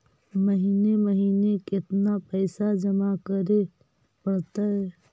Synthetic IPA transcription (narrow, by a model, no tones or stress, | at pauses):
məɦiːneməɦiːnekɪt̪napəɪsad͡ʒəmakəɾe | pəɽt̪aɦɛ